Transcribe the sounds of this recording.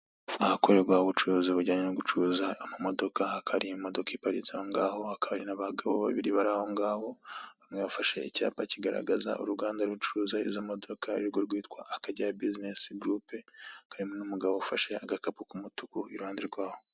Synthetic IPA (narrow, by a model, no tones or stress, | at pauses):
ahako̞ɾe̞ɾɡwauβut͡ʃuɾuziβuɟaːɲenoɡut͡ʃuzaːmamo̞do̞kaakʰaɾimo̞do̞kaipaɾḭt͡saoŋɡaːho̞akaβaɾinaβaɡaβoβa̰βiɾiβaɾaho̞ŋɡaːho̞βamŋe̞βafaʃe̞̰ica̰ːpaciɡaɾa̰ɡaza̰ʔṵɾuɡaːndaɾut͡ʃuuːzaḭzamo̞do̞kʰaiɾɡo̞ɾɡwiːtkwaʔakaɟaabizinesiɡɾuːpeakʰaɾimonumuɡaβo̞ufaʃe̞aɡakapukumutukuiɾuhaːndeɾɡwaːho̞